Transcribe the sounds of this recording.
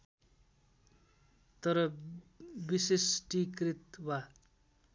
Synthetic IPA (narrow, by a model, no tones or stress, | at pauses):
t̪ʌɾʌ | bisesʈikrit̪wa